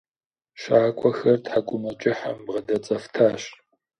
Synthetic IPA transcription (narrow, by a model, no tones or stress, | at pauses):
ʃaːkʷʼɔxɐrtħakʷʼʊmɐt͡ʃʼɪħa̰mbʁɐdɐt͡sʼɐftʰaːɕ